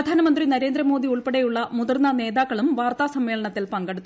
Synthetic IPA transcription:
ɐd̪ʱaːnɐmɐnd̪rinɐɾe̞ːnd̪ɾɐmo̞ːd̪iuɭpeɽejuɭːɐmud̪ɐrnːɐne̞ːðaːkːɐɭumʋaːrt̪aːsɐmːeːɭɐɳɐt̪ːilpɐŋɡeɽut̪ːu

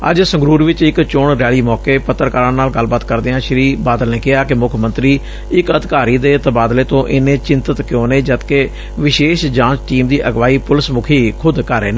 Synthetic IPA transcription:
ə̰d͡ʒsə̃ŋɡɾuːɾʋɪt͡ʃɪkt͡ʃʊɳɾɛːɭiːmɔːkeːpət̪ːəɾkaːɾãːnaːlɡəlbaːt̪kəɾd̪eːɦãːʃɪɾiːbaːd̪əlneːkɪɦaːkɪmʊkʰmənt̪ɾiː | ɪkəd̪kaːɾiːd̪eːt̪əbaːd̪leːt̪õːʔɪnẽːt͡ʃɪnt̪ət̪kjõːneːd͡ʒət̪keː | ʋɪʃeːʃd͡ʒãːt͡ʃʈiːmd̪iːʔəɡʋaːiːpʊlɪsmʊkʰiːkʰʊd̪kəɾeːneː

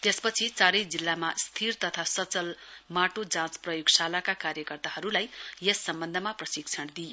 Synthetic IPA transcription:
t̪espʌt͡sʰit͡saɾʌjd͡zilːamast̪ʰirt̪ʌt̪ʰasʌt͡sʌlmaʈod͡zãt͡sprʌjuɡsalakakaɾjʌkʌrt̪aɦʌɾulajjesːʌmbʌnd̪ʱʌmaprʌsiɡ̚t͡sʰʌnd̪ijo

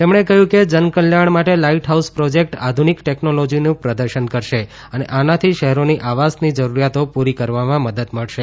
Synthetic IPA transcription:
t̪emɳekəɦjũked͡ʒənkəljaɳmaʈelaiʈɦauspɾod͡ʒek̚ʈad̪ʱunikʈeknolod͡ʒinũpɾəd̪əɾʃənkəɾʃe | əneʔanat̪ʰiʃəɦɛɾoniʔaʋasnid͡ʒəɾuɾjat̪opuɾikəɾʋamãməd̪əd̪məɭʃe

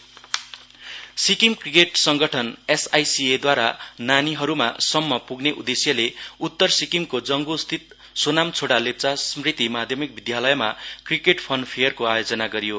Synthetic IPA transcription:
sikiŋkrikeʈsʌŋɡʌʈʰʌnesajsied̪waɾa̰naniɦʌɾuma̰sʌmːʌpuɡneʔud̪esjʌleut̪ːʌrsikiŋkod͡zʌŋɡost̪ʰit̪̚ | sonamt͡sʰoɽalep̚t͡sasmrit̪imad̪ʱjʌmik̚bid̪jalʌjmakrikeʈpʰʌnpʰejʌrkoajod͡zʌnaɡʌɾijo

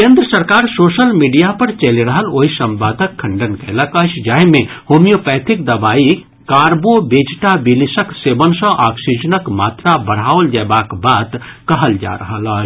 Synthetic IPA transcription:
kẽnd̪ɾəsəɾkaɾsosəlmiɖijapəɾt͡ʃəliɾəɦəloɦisəmbad̪ʱəkʰːəɳɖənkələkət͡ʃʰd͡ʒaɦimehomijopɛt̪ʰikd̪əbai | kaɾbobed͡ʒʈabilisəksebənsə̃ʔaksid͡ʒənəkmat̪ɾabəɽ̤ɦaʋəld͡ʒabakbat̪kəɦəld͡ʒa̰ɾə̰ɦələt͡ʃʰ

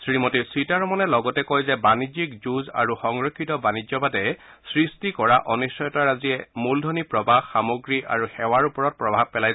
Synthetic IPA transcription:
sɹimɔtisɹitaɹmɔnɛlɔɡɔtɛkɔjzɛbanizik̚zuza̰ɹuxɔŋɹɔkʰːitɔbanizɔbadɛ | sɹistikɔɹaʔɔnisɔjɔtaɹaziɛmuldʱɔnipɹɔbaxːamoɡɹiʔa̰ɹuxɛwaɹupɔɹɔt̚pɹɔbʱab̚pɛlaj

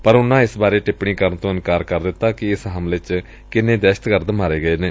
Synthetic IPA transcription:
pəɾʊnːãːɪsbaːɾeːʈɪpɳiːkəɾnt̪õːɪnkaːɾkəɾd̪ɪt̪ːaːkɪɪsɦəmlɪt͡ʃ | kɪnẽːd̪ɛːʃə̥t̪kəɾd̪maːɾeːɡəeːneː

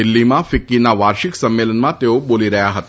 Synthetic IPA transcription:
ilːimãfikːinaʋaːɾʃiksɐmːeːlənmãt̪eoboliɾɐjaɦɐt̪

